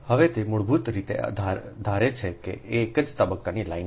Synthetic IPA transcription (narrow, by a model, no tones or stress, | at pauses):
həʋet̪emʊɭbʱut̪ɾit̪ḛa̰d̪ʱad̪ʱaɾet͡ʃʰekḛʔeːkəd͡ʒt̪əbəkːanilain